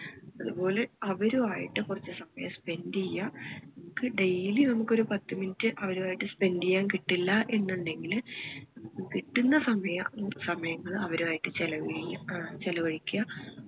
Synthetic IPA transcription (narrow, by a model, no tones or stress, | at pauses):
ɐðupo̞ːle̞ɐʋɐɾuaːjḭʈːɨkurɐt͡ɕːɨsɐmɐjɐspe̞ndijːɐnɐmukːɨɖejilinɐmukːo̞ɾupɐt̪ːɨminitːɨʔɐʋɐɾuaːjiʈːɨspe̞ndijːaːnkiʈːilːɐʔe̞nːuɳɖe̞ŋɡilɨnɐmukɨkiʈːunːɐsɐmɐjɐsɐmɐjɐŋːɐɭɐʋɐɾuaːjiʈːɨt͡ɕelɐʋit͡ɕelɐʋɐɻikʲːuɐ